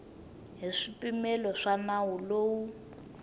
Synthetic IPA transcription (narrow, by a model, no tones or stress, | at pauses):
ɦiʂipimɛlɔʂanawuloːwu